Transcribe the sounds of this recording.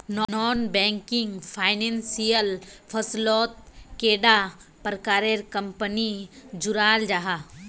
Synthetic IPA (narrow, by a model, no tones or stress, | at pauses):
nnɔːnbɛ̃ːŋkɪŋɡpʰaːɪnẽːnsijəlpʰəslɔːt̪̚keːɖapɾkaːɾeɾkɐmpənid͡ʒʊɾaːld͡ʒaɦa